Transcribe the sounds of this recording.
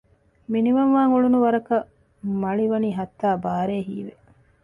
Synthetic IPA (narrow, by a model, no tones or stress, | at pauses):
miniʋɐnʋaːŋuɭunuʋɐɾɐkɐ | mɐɭiʋɐniːɦɐt̪ːaːbaːɾeːɦiːʋe